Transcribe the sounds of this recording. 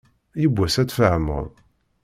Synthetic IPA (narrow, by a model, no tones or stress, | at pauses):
jəbʷːæsæt͡sːfəʕmə̰ɾˤ